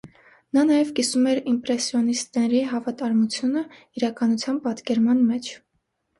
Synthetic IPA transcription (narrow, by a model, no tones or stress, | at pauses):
nɑnɑjɛvkisumɛɾimpɾɛsjɔnist̪ɛɾiɦɑvɑt̪ɑɾmut͡sʰjunəiɾɑkɑnut͡sʰjɑmpɑt̪kɛɾmɑnmɛt͡ʃʰ